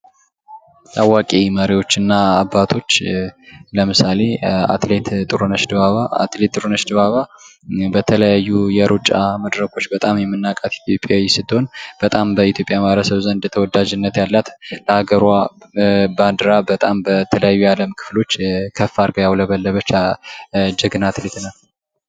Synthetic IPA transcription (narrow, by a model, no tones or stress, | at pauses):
tawakʼeməɾiwo̞t͡ʃːɨnːaːbːat̪ʰo̞t͡ʃː | ləmɨsale̞a̰t̪let̪t̪ʼɨɾunəʃd̪ɨβaβaa̰t̪let̪ʼːɨɾunəʃd̪ɨβaβabət̪ʰələjajːujɛɾʔut͡ʃʼaməd̪ɾəkʰo̞t͡ʃːbət̪ʼamjɛmːɨnːakʼat̪i̥t̪ʰjo̞pʼjajɛsɨt̪ːho̞nb̥ət̪ʼambəit̪jo̞pʼjamaaβɾəsəβzənd̪t̪ʰəwɔd̪ad͡ʒɨnːət̪jalːat̪ləhaɡəɾwa | band̪ɨɾabət̪ʼambət̪ʰələjajːujaləmkʰɨ̥flo̞t͡ʃːkʰəfːaɾɡəjawləβəlːəβət͡ʃːa | d͡ʒəɡɨnat̪let̪nal